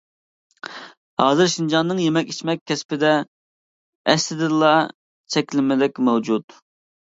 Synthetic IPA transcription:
hɑːzɨɾʃind͡ʒɑnːɨŋjemɛkʲi̥t͡ʃmɛk̚ʲʰːɛspɪd̪ɛ | ɛst̪ɪd̪ɪlˠɑ | t͡ʃʰɛkʲlɪmɪd̪ɪkʲmɛwd͡ʒut̪

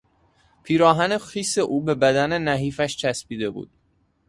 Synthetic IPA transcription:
pʰiːɾɒːɦæne̞xiːseʔuːbe̞bæd̪æne̞næɦiːfæʃt͡ʃʰæspiːd̪e̞bṵːd̪̥̚

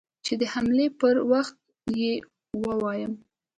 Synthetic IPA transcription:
t͡ʃed̪əhamlepəɾwaxt̪̚ | je | wəwɑjəm

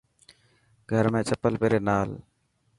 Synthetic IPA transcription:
ɡʱəɾmẽːt͡ʃəpəlpeːɾeːnaːl

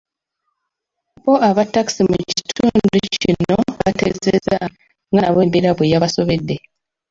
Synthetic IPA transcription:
βoʔaβatːaki̥simuci̥tʰuːnducino̞βate̞̰zḛza | ŋɡanaβe̞ːmbiɾaβwejaβaso̞βe̞dːe̞

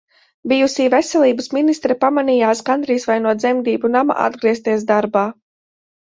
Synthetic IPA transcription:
bijusiːvɛsɛlˠiːbəsminist̪ɾɛpamanijaːskand̪ɾiːsvajnuɔd̪zɛmd̪iːbunama̰ʔa̰d̪ɡɾiɛs̬t̪iɛs̬d̪aɾbaː

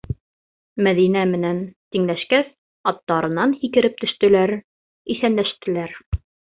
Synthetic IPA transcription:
mæðinæmɘ̆nænt̪iŋlæʃkæs | ɑt̪ːɑɾɤ̆nɑnhikɘ̆ɾɘp̚t̪ɵ̆ʃt̪ɘ̆læɾ | iθænlæʃt̪ɘ̆læɾ

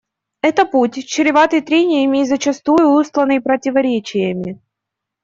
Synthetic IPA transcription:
ɛt̪əputʲt͡ɕɪɾʲɪvat̪əjt̪ɾʲenʲɪjəmʲɪːzət͡ɕɪst̪ujʊust̪lˠənɨjpɾətʲɪvɐɾʲet͡ɕɪjəmʲɪ

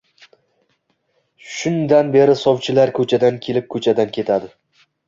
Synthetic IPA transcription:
ʃʊnd̪anbe̞ɾɪsɒwt͡ʃʰɪlaɾkʰɵt͡ʃʰad̪ankʲʰe̞lɪp̚kʰɵt͡ʃʰad̪ankʲʰe̞t̪ʰad̪ɪ

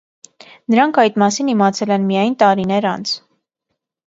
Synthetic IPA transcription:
nəɾɑŋkʰɑjt̪mɑsinimɑt͡sʰɛlɛnmijɑjnt̪ɑɾinɛɾɑ̰nt͡sʰ

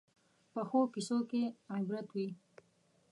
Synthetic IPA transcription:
pəxokisokeabɾat̪wi

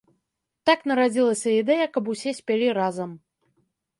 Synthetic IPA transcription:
t̪aknɐɾad͡zʲilˠɐsʲɐid̪ɛjɐkɐp̬usʲɛsʲpʲalʲiɾazɐm

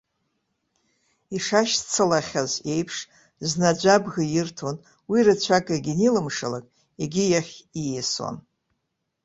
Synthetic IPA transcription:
iʂaʃt͡sʰalaχʲaze̞jpʰʂ | znad͡ʒʷabɣɨjɪrtʰon | wirɨt͡ɕʷʰakʼaɡʲinilɨmʂala̰kʼ | iɡʲijaχʲijeso̰n

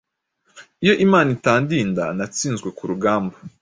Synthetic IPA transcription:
ijo̞ʔimaːnitaːndiːnda̰nat͡siːnzɡwe̞kuɾuɡaːmba

